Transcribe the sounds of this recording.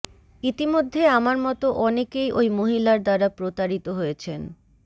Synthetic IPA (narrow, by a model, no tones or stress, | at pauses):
it̪imod̪ʱːeamaɾmɔt̪oʔɔnekejʔojmoɦilaɾd̪aɾapɾot̪aɾit̪oɦojet͡ɕʰen